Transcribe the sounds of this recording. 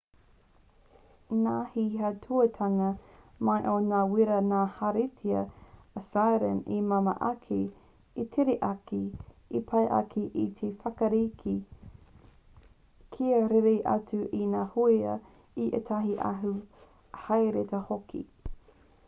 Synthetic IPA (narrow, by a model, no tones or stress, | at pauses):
naːhiɦɐtʰuɐtʰɐŋɐ | majʔonaːwiɾɐnaːhaɾetʰiɐːsajɾə̰nimɐmɐ̰ʔɐkʰi | itʰeɾeʔɐkiipʰɐjʔɐ̰kʰiʔḭt̪ʰefɐkɐɾikʰi | kʰiɐɾeɾeʔɐ̰t͡suʔinaːhojɐ̰ | iʔḛtʰɐɦiʔɐ̰ɦu | hɐjɾetɐhokʰḭ